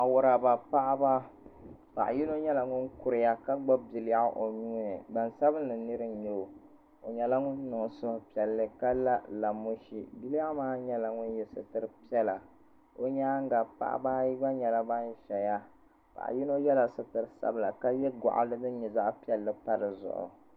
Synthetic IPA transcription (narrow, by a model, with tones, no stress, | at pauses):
a˨wʊ˦ɾa˨ba˨pa˦ʔba˦ | pa̰˨ʔji˦no˦ɲɛ˦la˨ŋʊ˦nkʊ˨ɾɪ˨ja˦ka˦ɡ͡ba˦bi˨lja˦ʔo˨ɲuː˦nɨ˨ba˨nsa˦bɨ˦nlɨ˨nɨ˦ɾɨ˦˨ɲo˨ | o˨ɲɛ˨la˦ŋʊ˦nːɨ˨ŋ˨sʊ˦hʊ˨pi˨ɛ˨lːɨ˦ka˦la˦la˨mo˦ʃi˨bi˦lja˦maː˦ɲɛ˦la˨ŋʊ˦n˦jɛ˨sɨ˨tɨ˨ɾɨ˦pi˦ɛ˦la˨ | o˦ɲa˦ŋ˦ɡa˨pa̰˦ʔa̰˦ba˦ji˦ɡ͡ba˦ɲɛ˨la˦ba˦n˦ʃɛ˨ja˦ | pa̰˨ʔji˦no˦jɛ˦la˨sɨ˦tɨ˨ɾɨ˦sa̰˦bɨ˨la˨ka˦jɛ˦ɡa̰˨ʔa̰˦lɨ˦nɨ˦ɲɛ˨za˦ʔpi˦ɛ˨lːɨ˦pa˦ɾɨ˨zʊ̰˨ʔʊ̰˨